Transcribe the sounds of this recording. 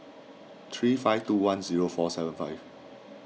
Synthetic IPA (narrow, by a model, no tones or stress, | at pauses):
t̪ʰɹiːfaɪftuːwãnziɹofɔsɛvə̃nfaɪv